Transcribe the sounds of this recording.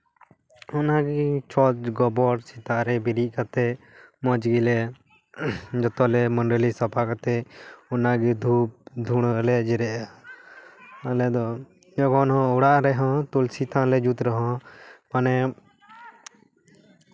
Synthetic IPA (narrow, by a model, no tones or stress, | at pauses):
ɔnaɡit͡ʃʰɔɡɔbɔɽsit̪aʔɾɛbiɾiʔ̚kat̪ɛ | mɔd͡ʒɡilɛ | d͡ʒɔt̪ɔlɛmɔɳɖəlisɔpʰakat̪ɛɔnaɡid̪ʱup̚d̪ʱuɽ̃əlɛd͡ʒɛɾɛʔa | alɛd̪ɔ | d͡ʒɔɡɔnɦɔ̃ɔɽaʔɾɛɦɔ̃t̪ulsit̪ʰãlɛd͡ʒut̪ɾɔɦɔ̃manɛ